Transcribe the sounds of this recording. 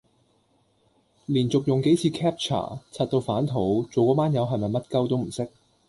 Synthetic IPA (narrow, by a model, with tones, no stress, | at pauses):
liː˨˩nt͡sʊ˨k̚jʊ˨˩ŋke˨˥jt͡sʰiː˧kʰɛː˥p̚t͡ʃʰa̰ː˨˩t͡sʰa˧t̚t̪o˧wfaː˨˥nt̪ʰo˨˥wt͡so˨wkɔː˨˧maː˥njɐ˨˧wɦɐ˨jmɐ˨jmɐ˥t̚kɐ˥wt̪o˥wm̩˨˩sɪ˥k̚